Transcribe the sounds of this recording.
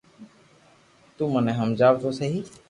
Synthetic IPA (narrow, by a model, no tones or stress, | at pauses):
t̪uːmənẽːɦəmd͡ʒaːʋt̪oːsəɦiː